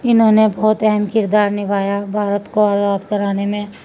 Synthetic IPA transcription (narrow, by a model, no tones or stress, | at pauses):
ɪnɦõnebɔːt̪ɛɦɛmkɪɾd̪aːɾnɪbʱaːjabʱaːɾət̪koaːzaːd̪kɐɾaːnemẽ